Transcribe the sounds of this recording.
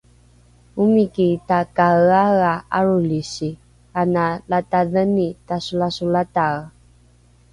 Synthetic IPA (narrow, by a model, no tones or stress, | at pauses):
umikitakaɣaɣaaɹuliɕi | kanalataðənitasulasulataɣ